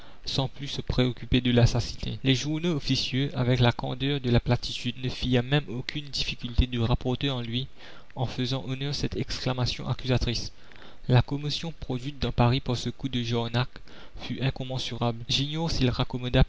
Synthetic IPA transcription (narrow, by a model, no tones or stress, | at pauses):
sɑ̃plysəpχeɔkʲyped̪əlasasi̥nḛlɛʒuʁnoːfisjøavɛklakɑ̰̃d̪œʁd̪əlaplat̪it̪yd̪nəfiɛmɛmokʰʲynd̪ifikʲylt̪ed̪əʁapɔʁt̪eɑ̃lɥi | ɑ̃fəzɑ̃ʔonœʁsɛt̪ɛksklamasjɔ̰̃ʔakʲyzat̪χis | lakɔmosjɔ̃pχɔd̪ɥit̪̚d̪ɑ̃paʁipuʁsəkud̪əʒɔʁnak | fyʔɛ̃kɔ̃mɑ̃syʁablʒiɲɔʁsilʁakɔmɔd̪a